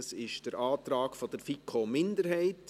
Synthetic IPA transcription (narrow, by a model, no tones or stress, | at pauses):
sɪʃd̥əɾʔɑːt̪rɑːkfɔd̥əɾfikʰːomɪndəɾhɛɪt